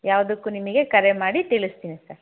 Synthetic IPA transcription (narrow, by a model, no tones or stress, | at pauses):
jaːʋɐd̪ukːunimiɡe̞kɐɾemaːɽit̪iɭist̪iːnisɐɾ